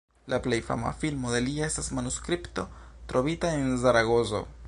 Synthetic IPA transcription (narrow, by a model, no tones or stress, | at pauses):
lʔaplejfa̰ma̰filmode̞lie̞stasmanuskɾipto̞tɾo̞vitaensaɾaɡozo̞̰